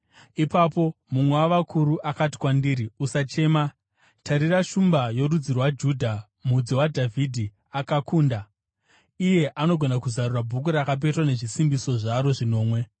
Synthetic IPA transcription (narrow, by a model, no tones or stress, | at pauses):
ipapo̞ | mumwewaʋakʰuɾuʔakati̥kwandiːɾiusat͡ʃe̞ːma | tʰaɾiraʃumbajo̞ɾud͡zirwad͡ʒuːdʱa | mud͡ziwadʱavʱidʱi | akakuːnda | ije̞ʔano̞ɡʱo̞nakuzarurabʱuk̬uɾakap̬e̞twane̞ʐisimbiso̞ʐaɾo̞ʐino̞ːmwe̞